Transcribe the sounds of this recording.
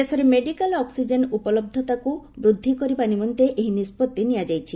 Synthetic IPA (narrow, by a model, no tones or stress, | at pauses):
esɔɾemeɖikalɔksid͡ʒenupɔlɔb̚d̪ʱɔt̪akubɾud̪ʱːikɔɾibanimɔnt̪eʔeɦinispɔt̪ːenijad͡ʒajt͡ʃʰi